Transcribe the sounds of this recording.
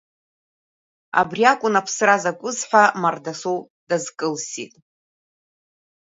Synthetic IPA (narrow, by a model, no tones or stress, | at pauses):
a̰briakʷʼʊnapʰsrazakʷʼʊzħʷᶣamardasow | dazkʼɨlsḭtʼ